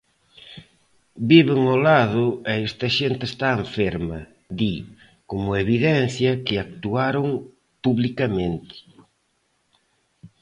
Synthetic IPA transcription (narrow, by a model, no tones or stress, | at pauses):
biβeŋolaðʊeɛst̪ɐʃent̪est̪aeɱfeɾmɐ | d̪i | komʊeβiðɛn̟θjɐkɪak̚t̪uaɾoŋ | puβlikɐmẽnt̪ɪ̥